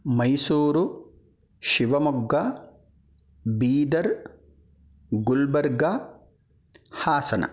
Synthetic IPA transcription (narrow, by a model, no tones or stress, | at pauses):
mɐjsuːɾʊ | ʃɪbɐmɔɡːɐ | biːd̪ɐɾ | ɡʊlbɐɾɡa | haːsɐnɐ̰